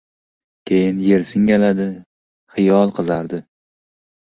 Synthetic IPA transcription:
kʲʰejɪnje̞ɾsɪŋʲalad̪ɪ | χɨjɒlˠqʰɨzaɾd̪ɪ

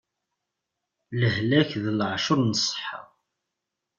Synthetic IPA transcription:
ləhlæçðəlʕʃʊɾˤnəsˤːə̥ħːɑ̰

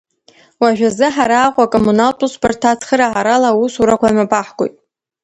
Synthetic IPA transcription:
waʒᶣazɨħaɾaːqʷʼakʼomunaltʼusbartʰat͡sʰχəɾaʕaɾalausuɾakʷʰamapʼaħɡʷʼo̰jtʼ

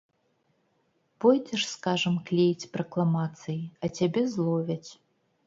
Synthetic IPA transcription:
pɔjdʲɛʂskaʐɐmklʲejt͡sʲprɐklˠamat̪sɨjiɐt͡sʲabʲɛzlˠɔvʲɐt͡sʲ

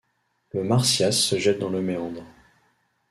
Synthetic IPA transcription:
ləmaʁsjasːəʒɛt̪̚d̪ɑ̃ləmeɑ̃d̪ʁ

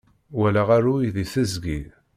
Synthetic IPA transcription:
wælaʁaɾuiðiθəzɡi

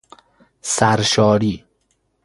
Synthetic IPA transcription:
sæɾʃɒːɾiː

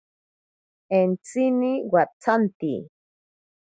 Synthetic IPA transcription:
ent͡siniwat͡sant̪ḭ

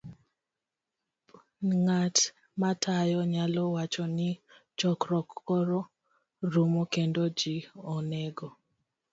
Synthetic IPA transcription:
ŋat | matʰajɔɲalɔwat͡ʃɔnɪt͡ʃɔkɾɔkːɔɾɔ | ɾumokendod͡ʒiɔnɛɡɔ

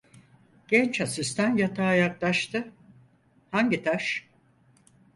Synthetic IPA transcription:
ɟ̥ɛnt͡ʃhasist̪ænjat̪ʰaːjak̚t̪ˠaʃt̪ʰɯ | haɲɟit̪ʰaʃ

